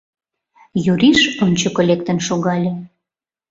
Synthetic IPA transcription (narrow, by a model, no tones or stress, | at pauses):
juɾiʃont͡ɕokolʲek̚t̪ə̆nʃoɣɑlʲe